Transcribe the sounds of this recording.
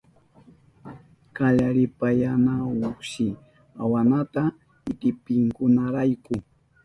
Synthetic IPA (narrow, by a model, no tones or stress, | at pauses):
kaʎaɾɪpajanaʊkʃɪ | awanat̪a | ɪt̪ɪpɪŋkʊnaɾajkʊ